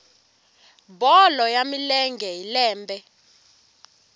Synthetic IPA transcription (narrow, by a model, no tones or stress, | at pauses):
bɔlɔjamilɛŋɡʱɛilɛːmbʱɛ